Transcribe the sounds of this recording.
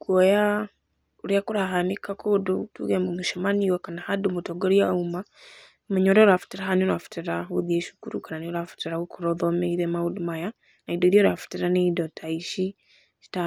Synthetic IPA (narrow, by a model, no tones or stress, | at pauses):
koja | uɾiakuɾaɦanikakʰodutṵɡemumuʃamaniwakanahadumutoɡoɾiauma | muɲoɾoɾafu̥tiɾaɦanionafu̥tiɾauðieʃu̥kuɾukananioɾafu̥tiɾaukuɾoðomeiɾemaudumaja | naidoiɾijoɾafu̥tiɾaneidotʰaiʃi | ʃi̥ta